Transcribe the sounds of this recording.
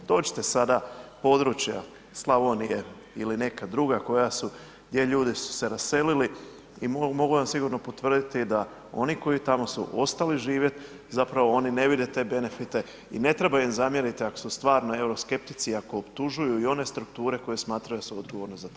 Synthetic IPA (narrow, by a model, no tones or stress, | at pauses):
d̪o̞ːt͡ʃɪ̥t̪e̞sad̪apo̞d̪ɾut͡ɕja̰ | slˠaʋonije̞ | iline̞kad̪ɾuɡako̞jasu | d̪je̞ʎuːd̪isu̥se̞ɾasse̞lili | immo̞ɡuʋamsiɡuɾno̞po̞t̪ʋr̩d̪it̪id̪a | o̞̰niko̞jit̪amo̞sṵʔo̞st̪aliʒiːʋjet̪ | zapɾaʋo̞o̞nine̞ʋid̪e̞t̪e̞ːbe̞ne̞fit̪e̞ | ine̞t̪ɾe̞bauimzamje̞ɾit̪iako̥sust̪ʋaːɾno̞e̞uɾo̞ske̞p̚t̪i̥t̪siako̞ːpt̪uʒujuio̞ne̞st̪ɾukt̪uːɾe̞ko̞je̞smaːt̪ɾajuasuod̪̚ɡoʋo̞ɾnozat̪ː